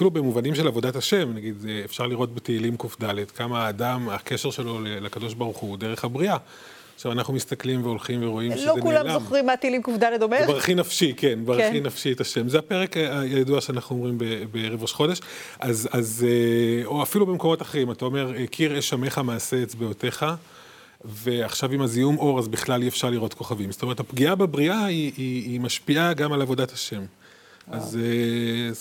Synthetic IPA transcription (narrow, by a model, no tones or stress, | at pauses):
filubemuvanimʃe̞lavo̞dataʃe̞mnaɡid̪eːfʃaʁliʁo̞t̚beteilimkufdaledkamaːdamake̞ʃe̞ʁʃe̞lo̞lelakadoʃbaʁuχudeʁe̞χabʁia | χʃavanaχnumist̪aklimveo̞lχimveʁo̞imlokulamzaoχʁimːat̪eilimkufd̪aled̪omevaʁχinafʃikenvaʁχinafʃietaʃe̞mzeape̞ʁe̞kajaduaʃeanaχnuo̞mʁimbebeʁevoʃχo̞deʃ | ʔazazeoafilube̞mko̞mo̞taχeimatao̞me̞ʁekʰiʁeʃame̞χamaːseːt͡sbejote̞χa | ve̞aχʃavimazijumo̞ʁazbiχlaliefʃaʁliʁotko̞χavimsot̪omeetapɡiabebʁiaiiːmaʃpiaɡamalavo̞dataʃe̞m | aze